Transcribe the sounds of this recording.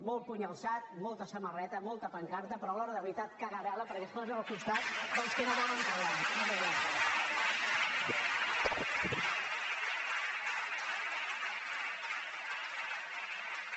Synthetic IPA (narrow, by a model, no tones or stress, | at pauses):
mol̚ˠpuɲəlˠsat̪̚molˠt̪əsəmərɛt̪əmɔlˠt̪əpəŋkaɾt̪əpɾɔlɔɾəðəβɾit̪at̪̚kəɣəβɛləpəɾkɛspɔzəəlˠkust̪at̪d̪əlˠskənoβɔləŋk̪awanomeantala